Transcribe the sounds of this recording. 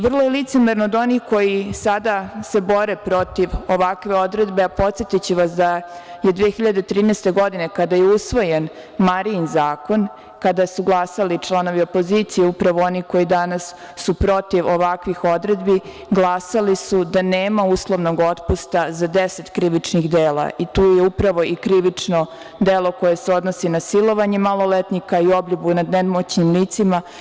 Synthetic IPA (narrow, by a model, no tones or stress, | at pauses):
ʋr̩lˠojelit̪semeɾnood̪o̞nixko̞jisad̪ase̞bo̞ɾepɾo̞t̪iʋo̞ʋakʋe̞o̞d̪ɾe̞d̪beapo̞t̪sjet̪it͡ɕeʋasd̪ajed̪ʋeːxiʎad̪et̪ɾiːnɛst̪e̞ɡo̞d̪ine̞kad̪ajeusʋo̞jen | maɾinzaːko̞n | kad̪asuɡlˠasalit͡ʃlˠano̞ʋiopo̞ziːt̪sijeupɾaʋoo̞niko̞jid̪anasː | upɾo̞t̪iʋoʋakʋixo̞d̪ɾed̪bi | ɡlˠasalisud̪aneːmauslˠo̞ʋno̞ɡo̞t̪pust̪azad̪eset̪kɾiʋit͡ʂniɣd̪eːla̰ʔit̪uːjeupɾaʋo̞ikɾiʋit͡ʂno | d̪elˠo̞ko̞je̞seo̞d̪no̞sinasilo̞ʋaɲe̞malˠo̞let̪nikaio̞bʎubunad̪nemot͡ɕɲimliːt̪sima